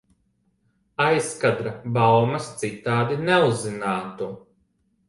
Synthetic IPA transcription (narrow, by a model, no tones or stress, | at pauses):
ajskad̪ɾabawmɐst̪sit̪aːd̪inɛuzːinaːt̪u